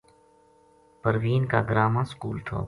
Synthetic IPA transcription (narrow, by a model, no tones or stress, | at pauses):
pəɾʋiːnka̰ːɡɾaːmãːskuːlt̪ʰo̰ː